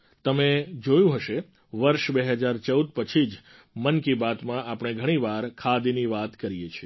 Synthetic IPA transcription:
t̪əmed͡ʒojũɦəʃe | ʋəɾʃbeɦəd͡ʒaɾt͡ʃəud̪pət͡ʃʰid͡ʒ | mənkibat̪mãʔapəɳ̃eɡʱəɽ̃iʋaɾkʰad̪iniʋat̪kəɾijet͡ʃʰie

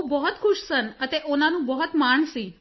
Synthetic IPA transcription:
bəɦɔt̪kʰuʃsənət̪eʔonanũbəɦɔt̪maɳsĩ

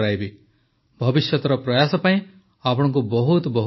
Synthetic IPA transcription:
ɾajbi | bʱɔbisjɔt̪ɔɾɔpɾɔjasɔpaĩ | apɔɽ̃ɔ̃ŋk̬ubɔɦut̪ɔbɔɦ

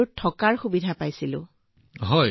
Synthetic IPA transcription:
ɹtʰɔkaɹxubidʱapajsilʊ̰̃ | ɦɔj

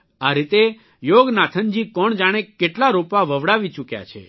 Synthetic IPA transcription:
aɾit̪e | joɡnat̪ʰənd͡ʒikɔɳd͡ʒaɽ̃ekeʈlaɾopaʋəʋɽaʋit͡ʃukja̰t͡ʃʰḛ

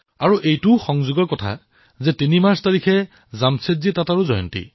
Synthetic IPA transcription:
aɹuʔejtʊxɔŋzuɡɔɹkɔtʰa̰ | zɛtinimaɹstaɹikʰɛ | zamsezitataɹuzɔjɔ̰ntḭ

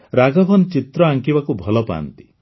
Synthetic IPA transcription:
ɾaɡɔbʱɔnt͡ʃit̪ɾɔaŋkibakubʱɔlɔpa̰ːnt̪i̥

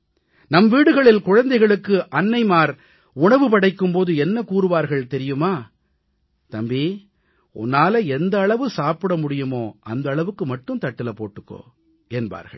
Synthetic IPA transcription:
nɐmʋiːɽɯɣɐɭɪlkʊɻɐnd̪ɐɪɣɐɭɯkːɯʔɐnːɐɪmaːɾ | ʊɳɐʋɯp̬ɐɽɐɪkːɯmpoːðɯɛnːɐkuːɾɯʋaːɾɣɐɭt̪ɛɾɪjɯmaː | t̪ɐmbeː | ʊ̰nːaːlɐɛnd̪ɐːɭɐʋɯsaːpɪɽɐmʊɽɪjɯmoːɐnd̪ɐːɭɐʋɯkːɯmɐʈːɯmt̪ɐʈːɪlɐpːoːʈːɯkːo̰ː | ɛnba̰ːɾɣɐ̰ɭ

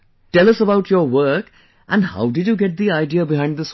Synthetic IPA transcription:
ʈɛlʌsəbaʊʈʰjəwɜ˞k | ʔæ̃nha̰ʊdɪd͡ʒjuɡɛʈ̚d̪iaɪɖiəbɪɦãɪ̃nd̪əs

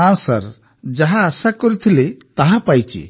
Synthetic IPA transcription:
ansa̰ɾ | d͡ʒaɦaːsakɔɾit̪ʰilet̪aɦapajt͡ʃḭ

